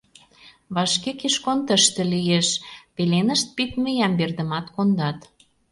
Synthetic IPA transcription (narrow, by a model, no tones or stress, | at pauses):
βɑʃkekiʃkont̪əʃt̪ə̆lijeʃpelenə̆ʃt̪̚pit̪məjɑmberd̪ə̆mɑt̪kond̪ɑt̪